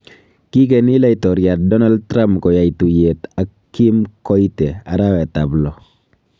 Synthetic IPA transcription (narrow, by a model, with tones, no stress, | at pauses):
ki˦k̬e˨nɪ˦la˦ɪ˨tɔ˨ɾja˨t̚dɔ˦na˦ld̚tɾa˦mpkɔ˨ja˨i˨tu˨je˨ta˨ki˦mkɔ˦i˦te˨a˨ɾa˦wɛ˨ta˨blɔ˨